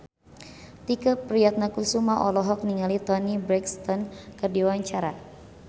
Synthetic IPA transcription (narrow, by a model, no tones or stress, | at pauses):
t̪ikapɾiat̪̚nakusumaʔɔlɔɦɔk̚niŋalit̪ɔnibɾɛkst̪ɔnkɨrdiwaɲt͡ʃaɾa